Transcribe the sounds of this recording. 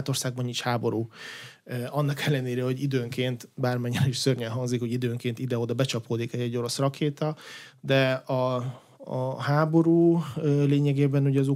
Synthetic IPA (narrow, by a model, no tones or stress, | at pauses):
t̪o̞rsaːɡ̚bɒninʃhaːbo̞ɾuː | ɒnːɒkɛlːɛneːɾɛho̞ɟid̪øːŋkeːnt̪baːrmɛɲːɛɾɛiʃsørɲɛɦɒŋzikho̞ɟid̪øːŋkeːnt̪id̪ɛod̪ɒbɛt͡ʃɒpoːd̪ikɛɛɟːo̞ɾo̞srɒkʰeːt̪ɒd̪ɛɒ | ɦaːbo̞ɾuːøleːɲɛɡeːbɛnuɟɛːzu